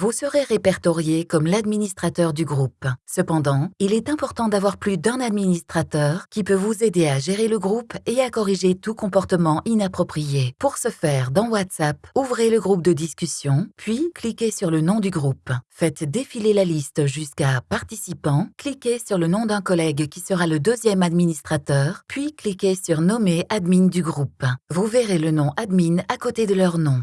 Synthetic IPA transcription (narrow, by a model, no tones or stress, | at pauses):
vusəʁeʁepɛʁt̪ɔʁjekɔmlad̪minist̪χat̪œʁd̪yɡʁupsəpɑ̃d̪ɑ̃ilɛt̪ɛ̃pɔʁt̪ɑ̃d̪avwaʁplyd̪ɛ̃nad̪minist̪χat̪œʁkʲipøvuzed̪eaʒeʁeləɡʁupeakɔʁiʒet̪ukɔ̃pɔʁt̪əmɑ̃ʔinapχɔpχijepuʁsəfɛːʁd̪ɑ̃wat̪sapuvʁeləɡʁup̚d̪əd̪iskʲysjɔ̃pɥiklikʲesyʁlənɔ̃d̪yɡʁupfɛt̪d̪efilelalist̪ʒyskapaʁt̪isipɑ̃klikʲesyʁlənɔ̃d̪ɛ̃kɔlɛɡkʲisəʁaləd̪øzjɛmad̪minist̪χat̪œːʁpɥiklikʲesyʁnɔmeʔad̪mind̪yɡʁupvuveʁelənɔ̃ʔad̪minakot̪ed̪əlœʁnɔ̃